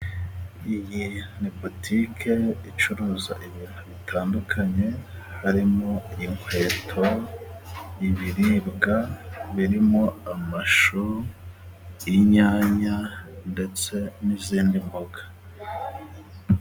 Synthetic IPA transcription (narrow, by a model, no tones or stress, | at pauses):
ijinipotʰikʰe̞it͡ʃuɾuːza̰ʔiβiːnthuβitʰaːndukʰaɲe̞haɾimo̞iŋwe̞ːtʰo̞ | iβiɾibɡaβiɾimo̞amaʃo | iɲaːɲande̞t͡se̞niziːndimboɡḁ